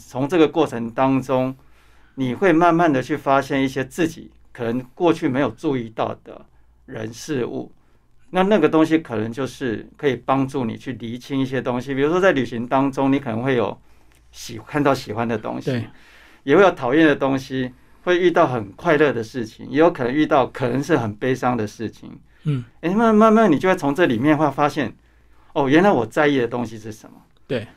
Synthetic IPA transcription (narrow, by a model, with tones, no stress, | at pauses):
t͡sʰʊ˧˥ŋʈ͡ʂɤ˥˩ɡə˩kwɔ˥˩ʈ͡ʂʰə˧˦ŋt̪ɑ˦˥ŋʈ͡ʂʊ˦ŋ | ni˨˩xwe˥˧ɪma˥˧nma˥˨nd̪ə˨t͡ɕʰy˥˩fa˦ɕjɛ˥˧ni˥˩ɕjɛ˦t͡sɹ̩˥˩t͡ɕḭ˨˩˦ | kʰɤ˨˩nə˧˦ŋkwɔ˥˧t͡ɕʰy˥˩me˧˥ɪjo˨˩ʊʈ͡ʂu˥˧i˥˧t̪ɑ˥˩ʊd̪̥ə̰˩ | ɻə̰˧˦nʂɻ̩˥˧ṵ˥˩ | na˥˨na˥˩ɡə˩t̪o˥ŋɕ̬i˦kʰɤ˨˩nə˧˦ŋt͡ɕjo˥˧ʊʂɻ̩˥˩kʰɤ˧˥i˨˩pɑ˦˥ŋʈ͡ʂu˥˩nḭ˨˩t͡ɕʰy˥˩li˧˦t͡ɕʰi˥ŋi˥˩ɕjɛ˦˥t̪o˦ŋɕi˧˦pʰi˨˩ɻu˧˥ʂwɔ˥t͡sa˥˩ɪly˨˩ɕi˧˥ŋt̪ɑ˥ŋʈ͡ʂʊ˥ŋni˧˥kʰə˨˩nə˧˦ŋxwe˥˩ɪjo̰˨˩ʊ | ɕi˨˩kʰa˥˧nt̪ɑ˥˩ʊɕi˨˩xwa˦nd̪ə˨t̪o̰˥ŋɕi˦ | jɛ˨˩we˥˩ɪjo˨˩t̪ʰɑ˨˩ʊjɛ˥˩nd̪ə˩t̪o˥ŋɕi˦ | xwe˥˧ɪy˥˧t̪ɑ˥˩ʊxə˨˩nkʰwa˥˧ɪlɤ˥˨d̪ə˩ʂɻ̩˥˩t͡ɕʰḭ˨˩ŋjɛ˧˥jo˧˥kʰɤ˨˩nə˧˦ŋy˥˧t̪ɑ˥˩ʊkʰɤ˨˩nə˧˦ŋʂɻ̩˥˩xə˨˩npe˥ɪʂɑ˥ŋd̪ə˨ʂɻ̩˥˩t͡ɕʰḭ˨˩ŋ | e˥˧ma˥˩˥ma˥˧nma˥˨ni˨˩t͡ɕjo˥˧we˥˩t͡sʰo˧˥ŋʈ͡ʂɤ˥˩li˨˩mjɛ˥˨nxwe˥˩˧fa˥ɕjɛ˥˩n | o˥˩ɥɛ˧˥nla˧˦ɪwɔ˨˩t͡sa˥˧ɪi˥˩d̪ə˩t̪o˥ŋɕi˧ʂɻ̩˥˩ʂə˧˦mɐ˨˦ | t̪e˩